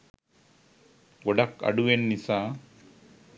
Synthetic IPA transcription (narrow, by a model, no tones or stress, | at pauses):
ɡɔɖɐkɐ̰ɖuʋenːisa